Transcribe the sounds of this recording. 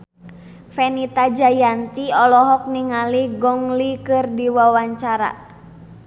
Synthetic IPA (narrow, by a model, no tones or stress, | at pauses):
fɛnit̪ad͡ʒajant̪iɔlɔɦɔk̚niŋaliɡɔŋlikɨrdiwawaɲt͡ʃaɾa̰